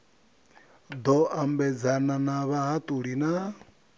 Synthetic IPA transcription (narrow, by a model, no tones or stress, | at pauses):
d̪ɔʔambɛd͡zananaβaɦat̪ʼuɺina